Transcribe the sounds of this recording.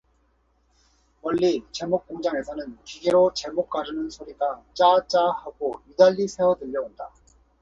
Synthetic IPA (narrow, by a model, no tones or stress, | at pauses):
wʌʎːit͡ɕe̞mok̚k͈oŋd͡ʑaŋe̞sʰʌnɯnkiɡiɾot͡ɕe̞mok͈̚aɾɯnɯnsʰoɾiɡat͡ɕ͈at͡ɕ͈ahaɡojudaʎːisʰe̞wʌdɯʎːʌonda